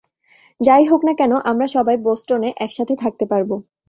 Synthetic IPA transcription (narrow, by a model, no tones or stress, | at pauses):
d͡ʑajɦoknakɛnoʔamɾaʃɔbaejbosʈoneʔɛkʃat̪ʰet̪ʰak̚t̪epaɾbo